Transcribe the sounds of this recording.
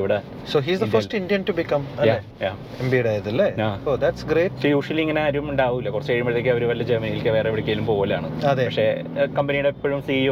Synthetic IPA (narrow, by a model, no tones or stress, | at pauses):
iʋiɽea | soːɦiːzðɐfɐsʈĩnɖijɐ̃nʈubikɐmɐjae | ja | embiɽaːjɐt̪ɐlːeaːod̪æʈsɡɾeːʈsojuːʂɐliŋːɐneaːɾumuɳɖaːʋuilːɐkurɐt͡ɕːɨkɐɻjumbɐɽt̪ːeːk̬ʲːiɐoɾuʋɐlːɐd͡ʑermɐnijilkɨʋe̞ːreiʋiɽɐkːeːlumpo̞ːʋɐlːa̰ːɳɨɐðepɐkʂe̞kɐmbɐniɽepːoɻumsiːoː